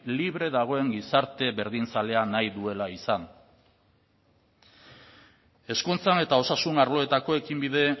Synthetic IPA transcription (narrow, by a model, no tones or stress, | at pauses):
liβ̞ɾe̞ðaɣ̞o̞e̞ŋɡisaɾt̪e̞βe̞ɾðinsale̞anajðue̞laisan | e̞skunt͡sane̞t̪ao̞sasunaɾlo̞e̞t̪ako̞e̞kimbiðe̞